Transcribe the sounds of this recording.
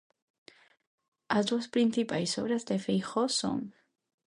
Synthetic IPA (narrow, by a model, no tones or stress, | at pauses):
azd̪waspɾinθipajsoβɾazd̪efejxoso̰ŋ